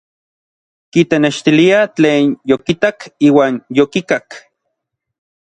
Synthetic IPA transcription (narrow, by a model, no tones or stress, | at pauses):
kit̪eneʃt̪iliat͡ɬeːnjokit̪akiːwaːnjokikak